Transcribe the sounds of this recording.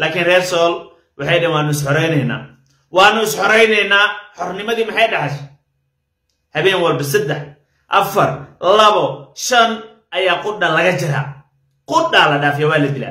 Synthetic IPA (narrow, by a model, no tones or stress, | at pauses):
laːkʰinrɛːrsɔːl | wʔɑħɑjɗɛːnwɑːnʊɪs̬ħɔɾɛjnɛjna̰ː | wɑːnʊɪsħɔɾɛjnɛjnaːħɔrnɪmɐðiːmɑħɑjɖɐħɛʃ | hɐβɛːnwɐlbɐsɛd̪ɛħ | ʔɐ̰fɐrlɐβɔʃɐn | ʔɐjaːqʊɗalɐɣɐt͡ʃɪɾa̰ː | qʊɖaːlɐɖaːfɪjɐwaːlɐd̪ila̰